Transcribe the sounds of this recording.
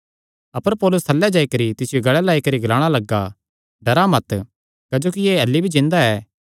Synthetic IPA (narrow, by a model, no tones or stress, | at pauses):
ɐpəɾpɔːlʊst̪ʰɐlːɛd͡ʒaːikɐɾit̪ɪsɪjoɡɐɭɛlaːikɐɾiɡɐlaːɽ̃alɐɡːa̰ | ɖɐɾamɐt̪ | kad͡ʒoːkieːɐlːibʱid͡ʒɪ̃nd̪aɛː